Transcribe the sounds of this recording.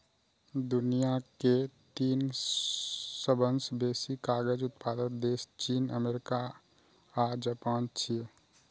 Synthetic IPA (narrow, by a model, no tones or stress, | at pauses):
d̪unijaket̪iːn | səbənsbesikaɡəd͡ʒut̪pʰad̪ənd̪est͡ʃinə̰meɾika | ad͡ʒapant͡ʃʰi